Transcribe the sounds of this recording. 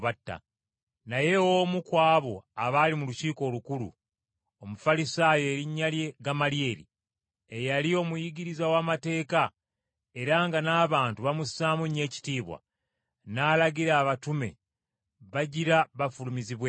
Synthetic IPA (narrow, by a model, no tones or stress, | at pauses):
βatːa̰ | naje̞womukwaːβo̞aβalimuluciːko̞ːlukulṵ | omufalisaːjo̞ːɾiɲːalje̞ɡamalje̞ːɾḭ | ejalio̞mujiɟiɾizawaːmate̞ːka | e̞ɾaŋɡanaːβaːntuβamusaːmuɲe̞ːci̥tiːβwa̰ | naːlaɡiɾaːβatume̞̰ | βaɟiɾaβafulumiziβwe